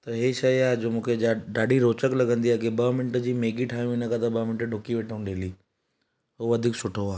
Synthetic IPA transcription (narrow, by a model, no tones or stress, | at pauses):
t̪ɐɦeʃɐiaːɦed͡ʑoːmũːkʰeaɖaːɖiɾoːt͡ɕəklɐɡʱə̃nd̪iaːkibəmɪnʈəd͡ʑiːmeːɡiʈʰaːjũɪnəkat̪ɐbəmɪɳʈəɖʱoːkiʋeːʈʰəũnɗeːliː | ɦoʋɐd̪ʱiksʊʈʰoaː